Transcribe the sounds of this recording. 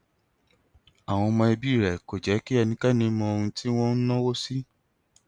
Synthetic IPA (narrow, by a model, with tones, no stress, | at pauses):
a˨w̃ɔ̃˧mɔ̃˧ɛ˧bi˦˨ɾɛ˨ko˨d͡ʒɛ˨˦ki˦ɛ˧nĩ˧˦ka˦nĩ˧˦mɔ̃˧o˧ɾũ˧ti˦w̃ɔ̃˦n̩˦nɔ̃˦wo˦si˦